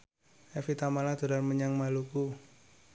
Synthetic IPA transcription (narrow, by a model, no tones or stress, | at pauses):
ɛfit̪amalat̪odarməɲaŋmaluku